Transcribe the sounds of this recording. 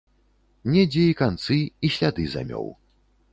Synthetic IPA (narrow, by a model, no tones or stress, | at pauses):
nʲɛd͡zʲɛikant̪sɨiɕʲlʲad̪ɨza̰mʲɔ̰w